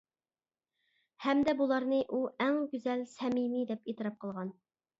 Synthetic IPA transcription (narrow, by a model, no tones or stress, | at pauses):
hɛmd̪ɛbulˠɑɾnɨʔuʔɛŋɡʲyzɛlsɛmimid̪ɛpet̪ʰɨɾɑp̚qʰəlˠʁɑn